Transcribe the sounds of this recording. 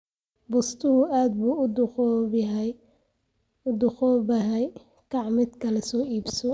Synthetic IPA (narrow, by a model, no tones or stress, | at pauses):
bʊst̪ʰʊhʊʔaːd̪̚buːd̪ | ʊd̪ʊχɔːbɐɦɛj | kʰɑʕmɪd̪kʰɐlɛsɔːʔiːbsɔ